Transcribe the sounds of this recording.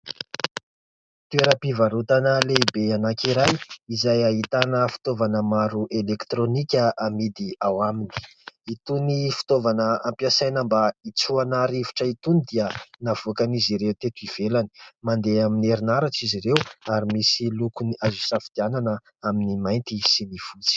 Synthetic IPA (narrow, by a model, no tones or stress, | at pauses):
t̪ueɾəpivaɾut̪anəleibeanakiɾajizajaɦit̪anəfi̥t̪ovanəmaɾuʔelekt̪ɾonikʲəʔamid̪iawamini̥ | it̪unifi̥t̪ovanəampjasajnəmbait͡suanaɾivi̥ʈ͡ʂəit̪unid̪iənav̥okaniziɾeut̪et̪uiv̥elani̥mand̪eamineɾinaɾaʈ͡ʂiziɾewaɾimisilukuniazusafid̪̥iananə | aminimajnt̪isinifut͡si̥